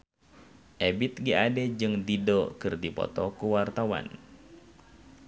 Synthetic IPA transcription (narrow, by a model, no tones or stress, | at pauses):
ʔɛbit̪̚ɡiadɛd͡ʒɨŋd̪idɔkɨrdipɔ̰t̪ɔkuwart̪awa̰n